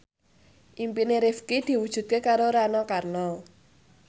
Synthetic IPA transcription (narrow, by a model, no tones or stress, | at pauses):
impineɾɪfkɪd̥iwud̥d͡ʒ̥ut̪̚kekaɾoɾanɔkarnɔ